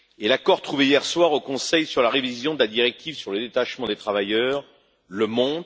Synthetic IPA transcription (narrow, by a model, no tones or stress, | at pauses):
elakɔʁt̪χuveijɛʁswaʁokɔ̃sɛjsyʁlaʁevizjɔ̃d̪əlad̪iʁɛk̚t̪ʰivsyʁləd̪et̪aʃmɑ̃d̪et̪χavajœʁ | ləmɔ̃t̪